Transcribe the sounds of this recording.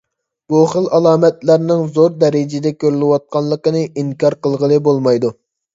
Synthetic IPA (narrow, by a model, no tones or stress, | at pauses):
b̥uχəlˠɑlˠɑːmɛt̪læɾnɪŋzoɾd̪ɛɾɪd͡ʒɪd̪ɛkʲøɾylɪwɑt̪̚qʰɑnlˠːəqənɨʔiŋkɑɾqəlˠʁəlˠɨbolˠmɑjd̪u